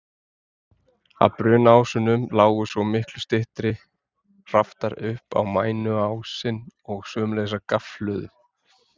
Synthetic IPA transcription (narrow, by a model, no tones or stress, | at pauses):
a̰pɾʏːnaːwsʏnʏmlaːwɣʏsvɔmɪhklʏst̪ɪht̪ɾɪ | r̥aft̪aɾʏhpa̰wmaːjnʏaːwsɪnɔɣsœːmlejs̬akaflœːðʏ̰